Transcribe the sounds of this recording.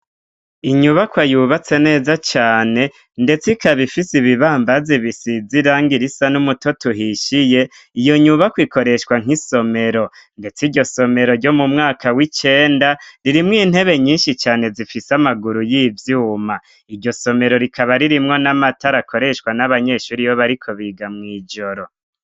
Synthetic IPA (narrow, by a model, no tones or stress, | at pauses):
iɲuβakwajuːβat͡se̞ne̞ːzat͡ʃaːne̞ | nde̞t͡sikʰaβifisiβiβaːmbaziβisid͡ziɾaːŋɡiɾisanumutotuɦiʃije̞ | ijo̞ɲuβakwiko̞ɾe̞ʃwaŋiso̞me̞ɾo̞nde̞t͡siɾɟo̞so̞me̞ɾo̞ɾɟo̞mumŋaːkawit͡ʃe̞ːndaɾiɾimŋiːn̥he̞βe̞ɲiːnʃit͡ʃaːne̞zifisamaɡuɾujiːvjuːma | iɾɟo̞so̞me̞ɾo̞ɾikaβaɾiɾimŋo̞namataɾakʰo̞ɾe̞ʃwanaβaɲe̞ːʃuːɾijoβaɾikʰo̞βiːɡamŋiːd͡ʒo̞ɾo̞